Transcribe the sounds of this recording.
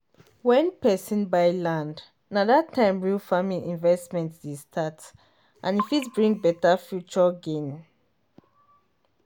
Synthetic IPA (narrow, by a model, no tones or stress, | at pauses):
wɛ̃npɛsĩnbaɪlãnd | nadatʰːãɪ̃mɹilfamĩʔĩnvɛstmɛ̃ntsdestʰat | ʔãnifitbɹĩŋ̚bɛtafjut͡ʃɔɡẽn